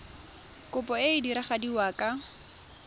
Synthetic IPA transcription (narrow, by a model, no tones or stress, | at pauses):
kʼʊpʼɔeɪdiɾaχadiwakʼa